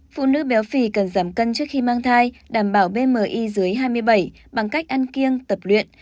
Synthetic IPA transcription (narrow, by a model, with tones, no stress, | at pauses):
fṵ˧˨nɨ̰˧˥ɓɛ˨˦wfi˧˩kə˨˩nzaː˧˩mkə˧nt͡ɕɨ˦˥ək̚xi˧maː˧ŋt̪ʰaː˧jɗaː˧˩mɓaː˧˩wɓe˧məː˨˩ʔi˧zɨ˨˦əjɦaː˧jmɨ˧əjɓa˧˩j | ɓa˨˩ŋka˦˥jk̚ʔa˧nki˧əŋt̪ə˨˩p̚lwḭ˧˨ən